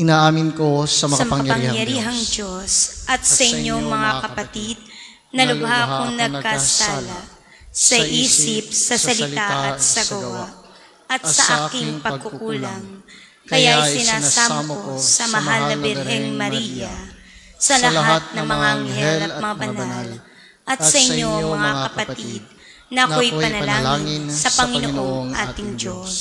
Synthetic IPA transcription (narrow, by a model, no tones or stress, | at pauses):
ɪnaʔaːmɪnkosɐɐpɐŋjɐɾiːɦɐŋd͡ʒosʔɐt̪̚sɐʔɪɲːomɐŋakɐpɐt̪id̪̚ | nɐlʊbɦakoŋnɐɡkasalɐ | sɐʔiːsɪp̚sɐsɐlɪt̪aʔɐt̪̚sɐɡɐwa | ʔɐt̪̚sɐʔaːkɪŋpɐɡ̚kʊkuːlɐŋ | kɐjaʔɐjsɪnaɪːnsamkosɐmɐɦalːɐbɛɾɦɛŋmɐɾiːjɐ | sɐlɐlɦat̪̚nɐŋmɐŋŋaʔɐŋhɛlɐt̪mɐŋabɐnal | ʔɐt̪sɐʔɪɲːooŋmɐŋakɐpɐt̪id̪̚ | nɐʔɐko̞jpɐnɐlaːnsɐpɐŋɪnoʔo̞ŋʔa̰ːt̪ɪŋd͡ʒoss